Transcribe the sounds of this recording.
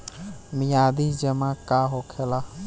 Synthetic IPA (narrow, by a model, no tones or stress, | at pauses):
mijad̪id͡ʒəmakaɦokʰela